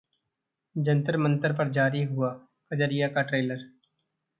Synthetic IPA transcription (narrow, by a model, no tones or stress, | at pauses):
d͡ʒɐ̃nt̪əɾmə̃nt̪əɾp̬ɐɾd͡ʒaːɾiɦʊa | kɐd͡ʒəɾijakaʈɾeːləɾ